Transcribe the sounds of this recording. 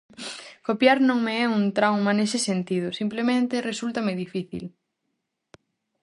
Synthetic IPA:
kopjaɾnõŋmeɛunt̪ɾawmanesɪsent̪ið̞ʊsimplemẽnt̪eresult̪ɐmeðifiθḭl

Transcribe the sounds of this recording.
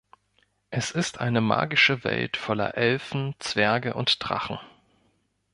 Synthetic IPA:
ʔɛsɪstʔa̰ɪnəma̰ːɡɪʃəvɛ̰ltfɔlɐ̰ʔɛlfn̩t͡sv̥ɛɐɡəʔʊntd̥ʁ̥a̰χn̩

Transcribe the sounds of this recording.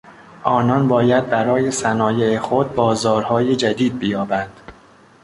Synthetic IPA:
ʔɒːnɒnbɒːjæd̪̚bæɾɒːje̞sænɒːjeexod̪̚bɒːzɒːɾhɒːje̞d͡ʒæd̪iːd̪̚bijɒːbænd̪̥

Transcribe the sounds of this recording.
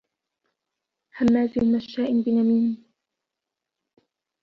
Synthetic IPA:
hamːaːzɪlmaʃːaːʔɪnbɪnamiːm

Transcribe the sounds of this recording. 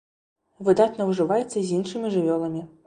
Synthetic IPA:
vɨd̪at̪nɐwʐɨvajɛt̪sːɐzʲinʂɨmʲiʐɨvʲɔlˠɐmʲi

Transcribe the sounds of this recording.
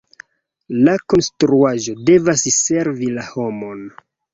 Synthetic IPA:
lako̞nstɾuaʒo̞de̞vasse̞ɾvilaho̞mo̞n

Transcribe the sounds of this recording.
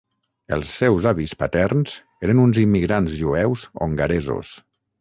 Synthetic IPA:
ə̰lˠsːɛwzaβispət̪ɛrnz̥ | eɾənunzimːiɣɾanzʒuɛwzo̰ŋɡəɾezo̰s

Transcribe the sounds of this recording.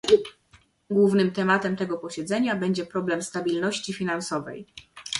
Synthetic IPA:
ɡwuvnɘmt̪ɛmat̪ɛmt̪ɛɡɔpɔɕɛd̪zɛɲabɛɲd͡ʑɛpɾɔblɛmst̪abʲilnɔɕt͡ɕifʲinansɔvɛ̰j

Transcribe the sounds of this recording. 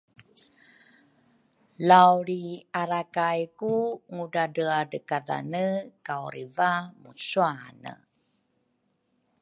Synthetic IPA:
lawɾiaɾakajkuŋuɖadəadəkaða̰nəkawɾivamusuanə̰

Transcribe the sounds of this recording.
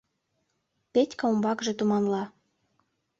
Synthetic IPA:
petʲkɑumbɑkʒĕt̪umɑnlɑ

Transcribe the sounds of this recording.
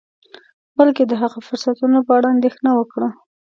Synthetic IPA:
balked̪əɦaɣofʊɾsat̪unopəaɽaːnd̪exnawəkɽə

